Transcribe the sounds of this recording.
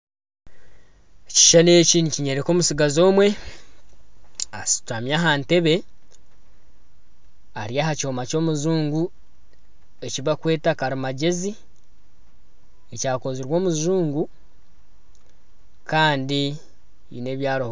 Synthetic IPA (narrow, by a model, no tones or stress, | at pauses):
ci̥ʃane̞ːciniciɲeɾeko̞ːmusiɡazo̞ːmwe̞ | asi̥twamjaɦaːnte̞βe̞ | aɾiaːhaco̞ːmaco̞ːmuzuːŋɡu | e̞ciβakwe̞ːtakaɾimaɟe̞zi | ecaːko̞ziɾwo̞ːmuzuːŋɡu | kaːndi | ḭne̞ːβjaːɾoh